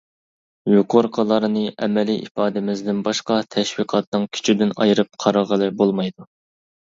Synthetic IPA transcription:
juqʰoɾqʰəlˠɑɾnɨʔɛ̰mɛliʔḭpɑːd̪ɪmɪzd̪ɪnbɑʃqɑt̪ʰɛʃwiqʰɑt̪̚nɨŋkʲʰy̥t͡ʃʰid̪ɪnɑ̰jɾɨp̚qʰɑɾɑʁəlˠɨbolˠmɑjd̪u

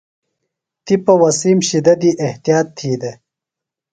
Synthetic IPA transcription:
t̪ipɐwɐsimɕid̪ɐd̪iʔeht̪ijɑːt̪ʰːiːd̪e

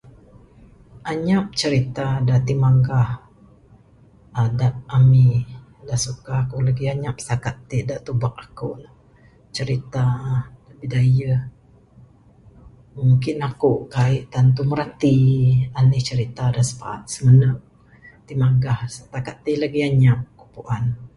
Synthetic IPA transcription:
ʔaɲap̚t͡ʃəɾit̪adat̪imaŋɡah | adat̪̚ami | dasukahakolaɡiaɲap̚st̪akat̪ːeʔdaʔt̪ubaʔakoʔna | t͡ʃəɾit̪adaʔbidajəh | muŋkɪnakoʔkaɪʔt̪ant̪uməɾat̪ianɪht͡ʃəɾit̪adasə̥pa̰ʔa̰t̪̚səmənəŋ̚ | t̪imaŋɡahst̪akat̪ːilaɡiaɲap̚kupuʔan

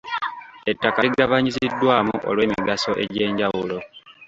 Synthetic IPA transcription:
e̞tːakaiɡaβaɲisidːwaːmuʔo̞̰lwe̞ːmiɡaso̞ʔe̞̰ɟe̞ːɲɟawulo̞

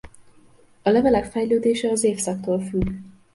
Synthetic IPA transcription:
ɒlɛvɛlɛkfɛjløːd̪eːʃɛɒzeːfsɒk̚t̪oːlfyɡ

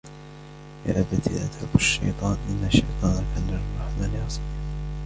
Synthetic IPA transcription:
ja̰ːʔabat̪ḭʔa̰t̪ʕʊbaʃːɑ̰jt̪ˤɑːnʔɪnːaʃːɑjt̪ˤɑːnakaːnɑɾɾˤɑħmaːlɪʕɑsˤbɪh

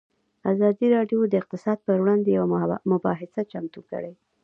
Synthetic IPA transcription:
azɑd̪iɾɑɖjod̪əɪq̚t̪ɪsɑd̪̚pəɾwɽɑnd̪ejawamʊbɑɦɪsat͡ʃamt̪ukə̰ɽe

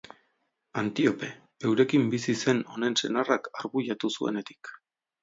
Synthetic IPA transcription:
ant̪io̞pe̞ | ewɾe̞kimbisise̞no̞ne̞nse̞̰narakaɾβuʎat̪usue̞̰ne̞t̪i̥k

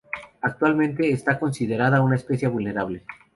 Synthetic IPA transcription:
ak̚t̪walmẽnt̪e̞ːst̪ako̞nsið̞e̞ɾaðaunaespe̞sjaβulne̞ɾaβle̞

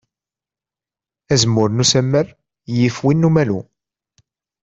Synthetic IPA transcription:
æzəmːʊɾnusæmːəɾ | jifwinːumælṵ

